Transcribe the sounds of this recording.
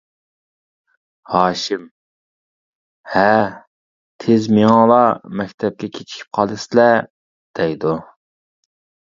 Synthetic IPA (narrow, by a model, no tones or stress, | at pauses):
hɑːʃɪm | hɛ | t̪ʰezmeŋɑlˠɑmɛkʲt̪ʰɛp̚kʲɛkʲʰet͡ʃʰi̥kʲʰi̥p̚qʰɑlˠɨslɛ | d̪̥ɛjd̪u